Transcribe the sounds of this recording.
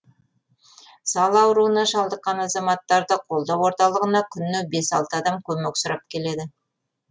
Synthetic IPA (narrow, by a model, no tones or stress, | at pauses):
sɑlˠɑwəɾuənɑʃɑlˠd̪əqːɑnɑzɑmɑt̪ːɑɾd̪əqʰo̞lˠd̪ɑwo̞ɾt̪ɑlˠəʁənɑkʲʰʏnːɪbe̞sɑlˠt̪əɑd̪ɑmkʲʰɵme̞ksʊɾɑp̚kʲʰe̞le̞d̪ɪ